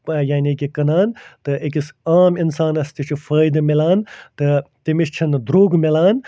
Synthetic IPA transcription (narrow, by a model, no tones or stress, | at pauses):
pɐjaːnikʲikɐnaːnt̪ɨekisaːminsaːnɐst̪it͡ʃʰifɐːjd̪ɐmilaːnt̪ɨt̪imist͡ʃʰind̪ɾuːɡmilaːn